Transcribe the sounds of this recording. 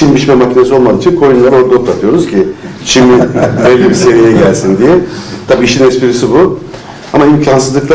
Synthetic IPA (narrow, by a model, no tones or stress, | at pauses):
t͡ʃimbit͡ʃmɛmacʰine̞sio̞lˠmad̪it͡ʃʰinkʰo̞junlˠaɾo̞ɾd̪aot̪ːat̪ʰɯjo̞ɾuz̥cʰi | t͡ʃʰimivelːʲibise̞vijɛɟælʲsind̪ijɛt̪ʰabiːʃinɛspiɾisibu | amaimcʰansɯzˠɯklˠa